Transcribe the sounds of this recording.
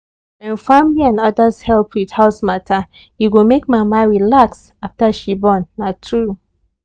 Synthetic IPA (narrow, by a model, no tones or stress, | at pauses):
ɛ̃nfamliãnʌdashɛlˠpwið̥haʊsmatʰa | jiwilmek̚mamaɹilaks | aftaʃibɔ̃nːatʰɹu